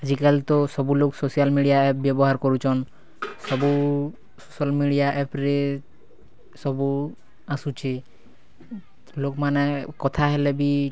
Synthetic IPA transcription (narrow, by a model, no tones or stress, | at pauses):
ad͡ʑikalt̪ɔsɔbuloksosijalmiɖijaɛp̚bjɔbɔɦaɾkɔɾut͡ʃʰɔn | sɔbu | sosalmiɖiaʔɛpɾe | sɔbu | asut͡ʃʰe | lokmanɛkɔt̪ʰaɦɛlebi